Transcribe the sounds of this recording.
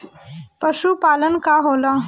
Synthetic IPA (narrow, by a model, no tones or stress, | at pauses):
pəʃupaːlənkaɦoːla